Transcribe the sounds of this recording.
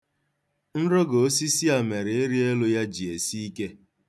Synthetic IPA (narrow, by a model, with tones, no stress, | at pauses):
n̩˦ɾɔ˦ɡo˨˦si˦si˦a˨me˨ɾe˨e˦ɾi˦e˦lʊ˦ja˦d͡ʒi˨e˨si˦i˦ke˦